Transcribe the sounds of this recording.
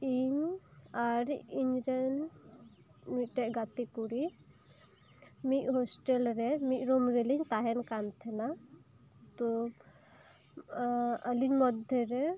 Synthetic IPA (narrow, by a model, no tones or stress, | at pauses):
iɲaɾiɲɾɛn | mit̪̚ʈɛʔɡat̪ikuɾi | mit̪̚ˀɦɔsʈɛlɾɛmit̪̚ˀɾɔmɾɛliɲt̪aɦɛnkant̪ʰɛna | t̪ɔ | əliɲmɔd̪ʱɛɾɛ